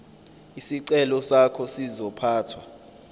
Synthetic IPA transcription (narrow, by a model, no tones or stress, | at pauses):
isiǀɛlɔsakʰɔsizɔpʰaːtʰwa